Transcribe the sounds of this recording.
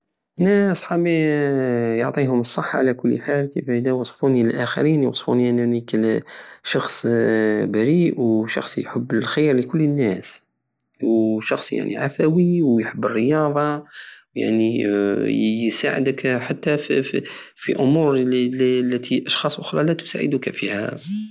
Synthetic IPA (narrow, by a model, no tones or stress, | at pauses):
næsħabi | joʕt̪ˤiɦʊməsˤːəħːaʕlækʊlːħalkəfæhəd̪æwɑsˤfunilʔæxə̰ɾinjwɑsˤfuniənːnikəlʃɑxsˤbæɾiʔwʃɑ̰xsˤjħəbːəlxəjɾləkʊlːənːæs | wʃɑxsˤja̰ʕnḭʕafæwiwjħəbːərːəjɑðˤɑ | ja̰ʕni | jsaʕə̰d̪əkħat̪ːæf | fiʔʊmuɾllːæt̪ʰiʔɑʃxɑsˤʔʊxɾˤɑlæt̪ʊ̥sa̰ʕə̰d̪ukæ̰fihæ̰